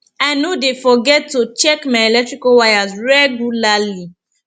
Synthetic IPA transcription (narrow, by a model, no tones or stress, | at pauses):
anodefɔɡɛtːot͡ʃɛkmaelɛk̚tɹikowajazɹɛɡulali